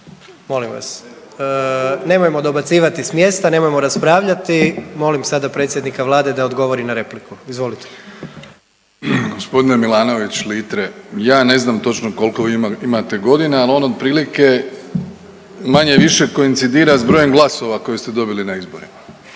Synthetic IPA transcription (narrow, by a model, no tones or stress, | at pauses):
mo̞limʋa̰s | ne̞mojemo̞d̪o̞bat̪siːʋat̪ismje̞ːst̪ane̞mojmo̞ɾaspɾaːʋʎat̪imo̞limsad̪apɾe̞t̪sjed̪nikaʋlˠaːd̪e̞d̪aod̪ɡo̞ʋo̞ɾinaɾe̞plikuizʋo̞lit̪e̥ | ɡo̞spo̞d̪inemilˠaːno̞ʋit͡ɕliːt̪ɾejaːne̞znamt̪o̞t͡ʃnoko̞lko̞ʋiimat̪e̞ɡo̞d̪inealo̞nod̪̚pɾiːlike | maɲe̞ʋiʃeko̞int̪sid̪iːɾazbɾo̞je̞mɡlˠaso̞ʋako̞jest̪ed̪o̞bilinaizboɾima